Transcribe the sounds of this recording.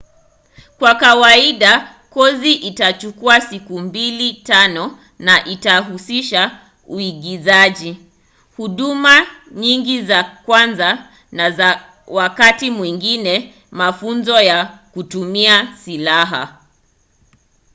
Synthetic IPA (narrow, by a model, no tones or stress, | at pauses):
kwakawaiɗa | kɔziʔitat͡ʃukuasikumbilitanɔ | naʔitaɦusiʃa | uiɠizaʄi | huɗumaɲiŋɡizakwanza | naza | wakatimwiŋɡinɛ | mafunzɔjakutumiasilaɦa̰